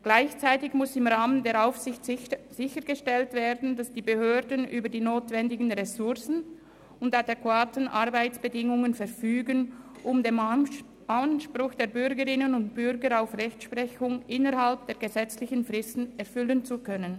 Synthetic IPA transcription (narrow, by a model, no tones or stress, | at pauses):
ɡ̥laɪçt͡saɪtɪçmʊsɪmʁaːməndeːɐʁaʊfsɪçtz̥ɪçəɡəʃtɛltv̥eːɐdn̩dasd̥iːbəhøːɐdənʔyːbədiːnoːtv̥ɛndɪɡn̩ʁɛsʊʁsn̩ | ʊndadɛkwaːtən̩ʔaʁbaɪt͡sb̥ədɪŋʊŋənfɛʁfyːɡən | ʔʊmdeːm | anʃpʁʊxd̥eːɐbʏɾɡəʁɪnənʊnt̚b̥ʏɾɡəɾaʊfʁɛçtʃpʁ̥ɛçʊŋʔɪnəʁhalp̚d̥eːɐɡəzɛt͡slɪçən̩fʁɪstn̩ɛʁfʏlənt͡sukʰœnən